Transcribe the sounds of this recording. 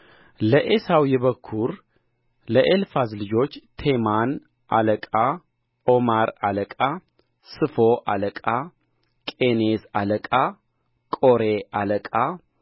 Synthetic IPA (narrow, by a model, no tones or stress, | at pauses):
ləʔesawjɛβəkʰːuɾ | ləʔelfazlɨd͡ʒo̞t͡ʃːt̪ʰe̞man | ʔa̰ləkʼa | omaɾaləkʼa | sɨfoʔa̰ləkʼa | kʼenesaləkʼa | kʼoɾeʔaləkʼa